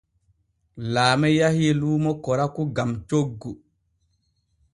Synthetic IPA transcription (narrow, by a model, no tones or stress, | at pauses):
laːmɛjahiluːmɔkɔɾakuɡamt͡ʃoɡːu